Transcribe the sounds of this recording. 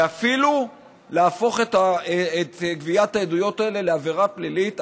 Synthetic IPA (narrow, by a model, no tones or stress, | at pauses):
afilu | leaːfo̞χetaet̪ɡviat̪aedujo̞taele̞leaveʁaplilit̪